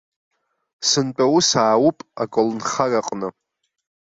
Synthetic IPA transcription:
sɨnt͡pʼawusaːwupʼakʷʼolnχaraqʼnɨ

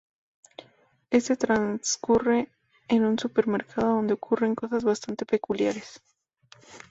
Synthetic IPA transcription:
e̞st̪et̪ɾanskure̞ː | nunsupe̞ɾme̞ɾkʰaðoðo̞nd̪eokʰure̞ŋko̞sazβast̪ant̪e̞pe̞kuljaɾes

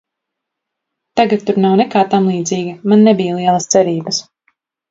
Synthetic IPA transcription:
t̪aɡat̪ːuɾnawnɛkaːt̪amlˠiːd̪ziːɡimanːɛbijlˠiɛlˠɐst̪sɛɾiːbɐs

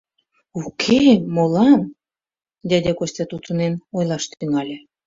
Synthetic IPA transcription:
ukʰemolɑn | d̪ʲæd̪ʲækosʲt̪ʲɑt̪ut̪ə̆nenojlˠɑʃt̪yŋɑlʲĕ

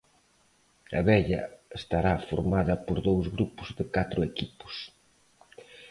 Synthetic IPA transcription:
ɐ̰βɛʎɐ̰est̪aɾafoɾmaðɐpoɾðowzɣɾupʊzðɪkat̪ɾʊekipʊ̥s

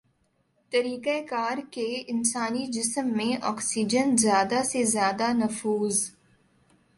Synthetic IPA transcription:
t̪ɐɾiːkakaːɾkeɪnsaːnid͡ʒɪsəmːẽʔɔːksiːd͡ʒənzjaːd̪asezjaːd̪anɐfuːz

